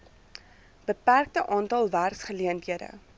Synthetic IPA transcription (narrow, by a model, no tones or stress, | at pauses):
b̥əpærk̚təʔɑːntɑlˠværsχəliəntɦiədə̰